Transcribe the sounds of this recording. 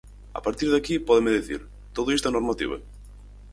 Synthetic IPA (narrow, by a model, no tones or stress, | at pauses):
a̰paɾt̪iɾðakipɔðemeðiθḭɾ | t̪oðʊist̪enoɾmat̪ḭβ̞ɐ̰